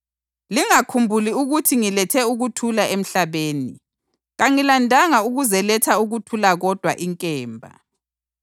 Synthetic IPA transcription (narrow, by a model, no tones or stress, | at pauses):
liŋakʰumbʱuliuɣutʰiŋilɛtʰɛuɣutʰulaʔem̩ɬaβeːni | ɣaŋilandʱaŋauɣuzɛlɛtʰauɣutʰulaɣɔd̥ʱwa̰ʔiŋkʼɛːmbʱa̰